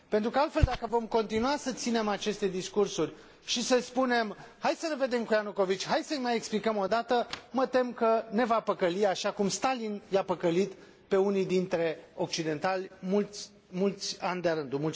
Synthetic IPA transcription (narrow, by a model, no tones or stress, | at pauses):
pe̞nt̪ɾukəalt̪fe̞ld̪akəvo̞mko̞nt̪inuasət̪sine̞mat͡ʃe̞st̪e̞d̪iskursurʲ | ʃisəspune̞mhajd̪səneve̞d̪e̞mkujanuko̞vit͡ʃʲɦaj̪səmajeksplikəmo̞d̪at̪əmət̪e̞mkəne̞vapəkəliaʃakumst̪alinjapəkəlit̪ | pe̞unijd̪int̪ɾe̞o̞k̚t͡ʃid̪e̞nt̪alʲmulʲ | mult̪sʲanʲd̪eaɾɨnd̪umult